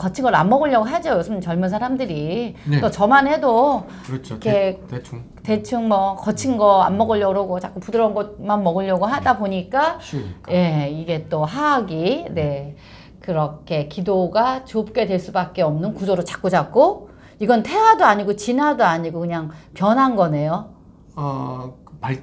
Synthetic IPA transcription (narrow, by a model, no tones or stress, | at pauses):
kʌt͡ɕʰinŋɡʌɾanmːʌɡɯʎjʌɡoɦad͡ʑojosʰɯmt͡ɕʌɭmuns̬ʰaɾamdɯɾit͈ot͡ɕʌmanɦe̞do | kʰe | tet͡ɕʰɯŋmʌkʌt͡ɕʰinɡʌa̰nmːʌɡʌʎjʌɾoɡot͡ɕak͈upudɯɾʌnɡʌt̚manmʌɡɯʎːʌɡoɦadaboɲik͈aje̞iɡe̞t͈oɦaɡine̞ | kɯɾʌkkʰe̞kidoɡat͡ɕop̚k͈e̞dwe̞ɭs͈ubak̚k͈e̞ʌmnɯnkud͡ʑoɾot͡ɕḁk͈od͡ʑak͈o | iɡʌntʰe̞wadoaɲiɡot͡ɕinɦadoaɲiɡokɯɲaŋpjʌnɦanɡʌne̞jo